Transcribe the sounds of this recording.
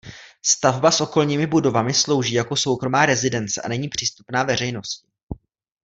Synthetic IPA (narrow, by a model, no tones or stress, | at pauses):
st̪avbasʔo̞ko̞lɲiːmɪbudo̞vamɪslo̞wʒiːjako̞so̞wkɾo̞maːɾɛzɪdɛnt͡sɛʔa̰nɛɲiːpr̝̥iːst̪u̥pnaːvɛr̝ɛjno̞scɪ̥